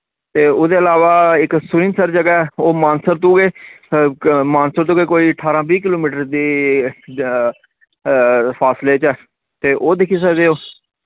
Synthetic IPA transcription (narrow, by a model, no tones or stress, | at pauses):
t̪eːʊd̪eːəlaːʋaːɪksʊɾĩːnsəɾd͡ʒəɡaːɛːoːmaːnsəɾt̪ũːɡeː | maːnsəɾt̪ũːɡeːkoːiːəʈʰaːɾãːbiːk̬ɪloːmiːʈəɾd̪eː | pʰaːsleːt͡ʃɛː | t̪eːʔoːd̪ekʰːisəɡd̪eːoː